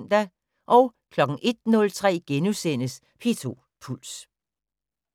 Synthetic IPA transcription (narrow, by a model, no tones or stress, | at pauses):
n̰d̥æ | ʔɒ̽ʊkʰlɒ̽ɡ̥ŋ̩ʔe̝d̥nɔ̽lt͡sʰʁɛ̰ːɡ̥enusen̰əs | pʰe̝t͡sʰo̝ | pʰul̰s